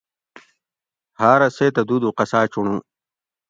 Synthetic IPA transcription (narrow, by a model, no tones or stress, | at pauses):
haːɾɐseːt̪ɐd̪ud̪uqɐsaːt͡ɕuɳũ